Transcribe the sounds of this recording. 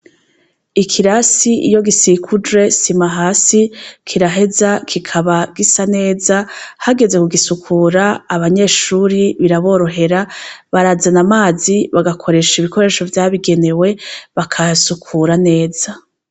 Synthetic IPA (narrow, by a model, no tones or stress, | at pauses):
ikʰiɾasiḭjo̞ɡisikʰud͡ʒwe̞simaɦaːsikʰiɾaɦe̞zakʰikʰaβaɡisane̞ːzahaɡe̞ze̞kuɡisukʰuːɾaːβaɲe̞ːʃuːɾiβiɾaβo̞ːɾo̞ɦe̞ɾaβaɾazanamaːziβaɡakʰo̞ɾe̞ʃiβiko̞ɾe̞ːʃo̞vjaːβiɡe̞ne̞we̞βakʰasukʰuːɾane̞ːz̥a